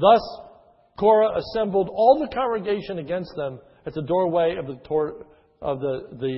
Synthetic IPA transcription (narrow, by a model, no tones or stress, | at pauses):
ðʌs | kʰɔɹəʔəsɛ̃mbl̩ˠdɔlˠðəkʰɑ̃ŋɡɹɨɡeɪʃɨ̃nɨɡɛ̃nst̪̚ðə̃m | ɨt̪̚ðɨdɔɹweɪʌvðɨtʰɔɹ | ʔʌvðɨðɨ